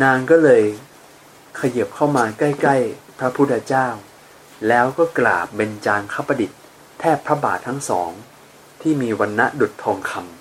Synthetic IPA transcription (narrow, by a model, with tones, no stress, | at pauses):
naː˧ŋkɔː˥˩lɤː˧j | kʰa˧ji˨˩p̚kʰa˥˩wmaː˧ka˥˩jkla˥˩jpʰɾa˦˥pʰu˦˥t̪ʰːa˧t͡ɕaː˥˩w | lɛː˦˥wkɔː˥˩kla̰ː˨˩p̚be˧nt͡ɕaː˧ŋkʰaː˥˩pːa˧di˨˩t̪̚ʰː | ɛː˥˩pʰɾa˦˥baː˨˩t̪ʰːa˦˥ŋsɔ̰ː˩˦ŋ | t̪ʰiː˥˩miː˧wa˧nːa˦˥du˨˩t̪ʰːɔː˧ŋkʰa˧m